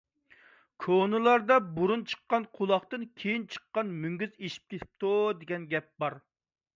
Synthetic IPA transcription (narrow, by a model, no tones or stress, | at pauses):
kʰonɨlˠɑɾd̪ɑbuɾunt͡ʃʰə̥qːɑnqʰolˠɑχt̪ɨnkʲʰejint͡ʃʰə̥qːɑnmyŋɡʲyzeʃi̥p̚kʲet̪ʰɪ̥p̚t̪ʰud̪eɡʲɛnɡʲɛp̚bɑɾ